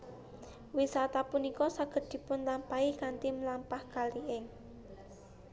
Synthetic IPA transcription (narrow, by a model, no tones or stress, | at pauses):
wisat̪apunikɔsaɡ̥ə̤d̪̥i̤pʊnlampaikant̪imlampahkaliʔɪŋ